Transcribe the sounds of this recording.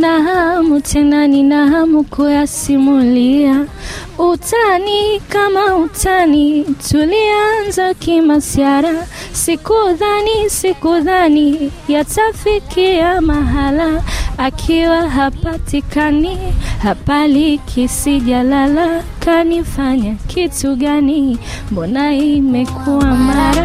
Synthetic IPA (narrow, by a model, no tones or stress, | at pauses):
naɦamutʰɛnaninaɦamukʰujasimulia | utanikamautʰanitulianzakimasiaɾa | sikuðanisikuðanijatafikijamaɦalaːkʰiwaɦapatikanihapalikʰisiʄalalakanifaɲakʰituɠanimbɔnaimɛkʰuwamaɾa